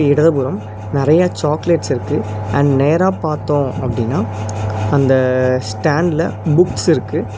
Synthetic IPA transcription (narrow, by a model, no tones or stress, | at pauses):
ɪɽɐðɐpʊɾɐm | nɪɾɐjat͡ʃaːkleʈsɪɾɯkːɯɐɳɖneːɾaːpaːɾt̪ːõːɐpːɐɽɪnːaːɐnd̪ɐsʈaːɳɖlɐbʊksɪɾɯkːɯ